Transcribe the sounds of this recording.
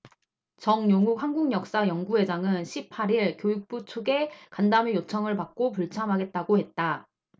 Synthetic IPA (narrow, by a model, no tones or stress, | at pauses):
t͡ɕʌŋjoŋuk̚haŋɡuŋjʌk̚s͈ajʌŋɡuɦe̞d͡ʑaŋɯnɕʰipʰaɾiɭkjojuk̚p͈ut͡ɕʰuɡe̞kandamijot͡ɕʰʌŋɯɭpak̚k͈op̬uɭt͡ɕʰamɦaɡe̞t̚t͈aɡohe̞t̚t͈a